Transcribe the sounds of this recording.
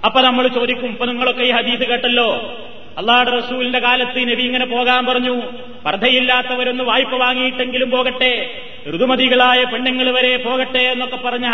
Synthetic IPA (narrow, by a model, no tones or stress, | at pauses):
ɐpːoːnɐmːɐɭt͡ɕo̞ːd̪ikʲːumɐpːoniŋːɐɭo̞kːeiːhɐd̪iːsɨke̞ːʈːɐlːo̞ː | ɐlːaːhuɽerɐsuːlinde̞kaːlɐt̪ːineʋiŋːɐnepo̞ːɣaːmpɐrɐɲːu | prɐd̪ʱɐjilːaːt̪ːɐʋɐɾo̞nːɨʋaːjipːɐʋaːŋːijiʈːe̞ŋɡilumpo̞ːɣɐʈːe̞ | rud̪umɐðiɣɐɭaːjɐpeɳːɐŋːɐɭʋɐɾe̞po̞ːɣɐʈːe̞enːokːe̞pːɐrɐɲːa